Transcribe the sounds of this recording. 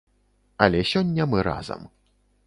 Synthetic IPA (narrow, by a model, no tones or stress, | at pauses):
ɐlʲɛsʲɔnʲːɐmɨɾa̰zɐ̰m